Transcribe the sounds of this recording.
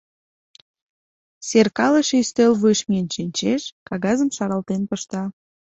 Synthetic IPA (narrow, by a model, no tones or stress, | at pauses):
serkɑləʃeyst̪ølβuʃmiənʃinʲt͡ɕeʃkɑɣɑzəmʃɑɾɑlt̪enpəʃt̪ɑ